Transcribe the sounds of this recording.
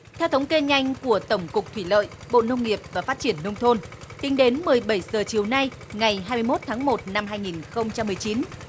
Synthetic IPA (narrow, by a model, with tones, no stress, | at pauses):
t̪ʰɛ˧wt̪ʰə˨˦wŋ͡mke˧ɲa˧jŋ̟ku˧˩ət̪ə˧˩wŋ͡mkʊ˨˩k͡p̚t̪ʰwi˧˩lə̰ː˧˨jɓo̰˧˨nə˧wŋ͡mŋi˨˩əp̚vaː˨˩faː˦˥t̚t͡ɕi˧˩ənːə˧wŋ͡mt̪ʰo˧nt̪ï˨˦ŋ̟ɗe˨˦nmɨ˨˩əjɓə˧˩jzəː˨˩t͡ɕi˨˩əwna˧j | ŋa˨˩jɦaː˧mɨ˧jmo˦˥t̚t̪ʰaː˨˦ŋmo˨˩t̚na˧mɦaː˧jŋi˨˩nxə˧wŋ͡mt͡ɕa˧mːɨ˨˩əjt͡ɕi˨˦n